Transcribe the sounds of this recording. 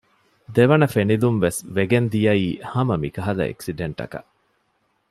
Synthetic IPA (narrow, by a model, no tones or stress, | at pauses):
d̪eʋɐnɐfenilumʋesʋeɡend̪ijɐiːhɐmɐmikɐɦɐlɐ̰ḛksiɖeɳʈɐ̰kɐ̰ʔ